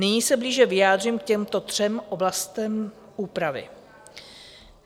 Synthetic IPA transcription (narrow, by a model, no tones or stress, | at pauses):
nɪɲiːsɛbliːʒɛvɪjaːd̪r̝imkcɛmt̪o̞t̪r̝̥ɛmʔo̞blast̪ɛm | uːpɾavɪ̰